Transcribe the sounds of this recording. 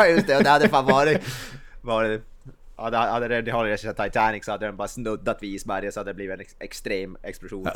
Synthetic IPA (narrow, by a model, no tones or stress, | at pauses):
jɵst̪ɛɔd̪ɛhad̪ːəɛfaːnvɑːɾɪt̪vɑɖɛɛ | had̪hahad̪ːəɾɛnɪhɔlːɾɛsɛt̪ʰaɪt̪ʰænɪksɔhad̪ːəɾɛnbɑːɾasnɵd̪ːat̪ʋɪɪsmæɾjəsɔhad̪əd̪ɛbliːvɪɛnɛkst̪ɾeːmɛksplʊʂuːn